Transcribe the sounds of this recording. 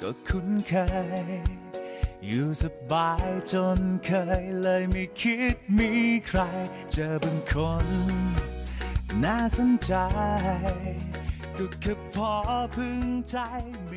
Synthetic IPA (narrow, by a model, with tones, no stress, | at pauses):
kɔː˧˩kʰu˧˥nkʰəː˧ | juː˨˩sa˧baː˨˧˦jt͡ɕo˧nkʰəː˧jləː˧jmi˧kʰi˦˥t̪̚miː˧kʰɾa˧j | t͡ɕəː˧ba˧nkʰo˧n | naː˧˥˩sa˧˦nt͡ɕa˧j | kɔ˧˩kʰə˧˥p̚pʰːɔː˧pʰɯ˧ŋt͡ɕa˧j | m˧